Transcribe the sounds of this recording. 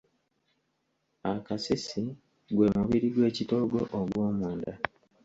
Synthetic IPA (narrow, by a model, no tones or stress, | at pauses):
akasisi | ɡwe̞ːmuβiɾiɡwe̞ːcito̞ːɡo̞̰ʔoɡwo̞ːmuːnda